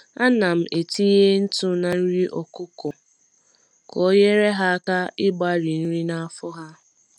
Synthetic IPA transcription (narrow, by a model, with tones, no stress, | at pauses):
a˦na˨m̩˨ʔe˨ti˦ɦe˦n̩˦tʊ˦na˨n̩˦ɾi˦ʔɔ˨kʊ˦kʊ˨ | ko˨˦je˦ɾe˦ɦa˦a˦ka˦ɪ˦ba˦ɾi˨n̩˦ɾi˦na˦˨a˦fʊ˦ɦa˦